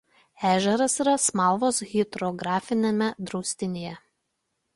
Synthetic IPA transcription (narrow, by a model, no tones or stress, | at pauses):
æːʒʲɛɾɐsiɾɐsmɑˑlˠʋoːsɣʲɪd̪ɾɔɡɾɑːfʲɪnʲemʲɛd̪ɾɔʊsʲt̪ʲɪnʲeːjɛ